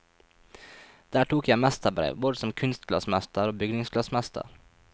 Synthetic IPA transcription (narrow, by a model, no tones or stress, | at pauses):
d̪̥æːʈuːkjæɪmæst̪əbɾḛːʋboːd̪əsɔmkʰʉnst̪kʰlɑ̰smɛst̪əɾoːbʏɡnɪŋskʰlɑsmɛst̪ʰə̰ɾ